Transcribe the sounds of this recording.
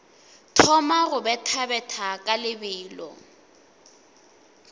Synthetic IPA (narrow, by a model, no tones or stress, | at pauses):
tʰɔmarʊbɛtʰabɛtʰakʼalɪbɪːlɔ̰